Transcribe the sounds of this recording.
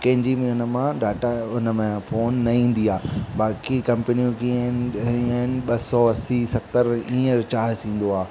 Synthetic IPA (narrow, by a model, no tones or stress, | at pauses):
kɐ̃ɦɪ̃ɲd͡ʑimẽʊnəmãɖaːʈaʊnəmẽfoːnːɐĩːn̆d̪iaːbaːkikɐ̃mpənijũkinənɪ̆ɓɐsɔʋɐsisɐt̪əɾĩːə̃ɾt͡ɕaːɦɪsĩːn̆d̪oaː